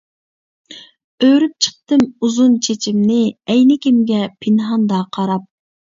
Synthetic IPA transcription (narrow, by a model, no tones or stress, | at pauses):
øɾyp̚t͡ʃʰə̥q̚t̪ɨmuzunt͡ʃʰet͡ʃʰimnɪɛjnɪkʲʰimɡʲɛpʰɪnɦɑnd̪ɑːqʰɑɾɑp̚